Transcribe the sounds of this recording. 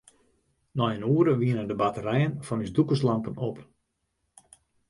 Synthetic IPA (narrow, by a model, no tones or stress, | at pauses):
nɔjənuəɾəʋiənəndəbatərɛjənfɔnysdukəslampənop